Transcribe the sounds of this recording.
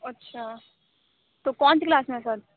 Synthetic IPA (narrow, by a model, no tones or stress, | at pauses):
ɐtːɕʰaː | t̪okɔnt͡ɕiklaːsmesəɾ